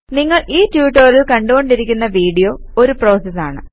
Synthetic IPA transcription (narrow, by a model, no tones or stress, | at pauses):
niŋːɐɭiːtjuːʈːɐrilkɐɳɖuɣo̞ɳɖiɾikʲːunːɐʋiːɽijo̞ː | oɾupro̞ːsɐsaːɳɨ̰